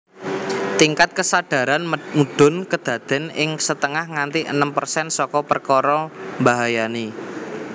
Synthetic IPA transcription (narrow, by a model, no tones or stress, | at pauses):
t̪iŋkat̪̚kəsaɖ̥ä̤ɾanmuɖ̥ʊ̤nkəd̪̥ä̤d̪̥ɛ̤nɪŋsət̪əŋahŋant̪iʔənəmpərsɛnsɔkɔpərkɔɾɔmbaɦajani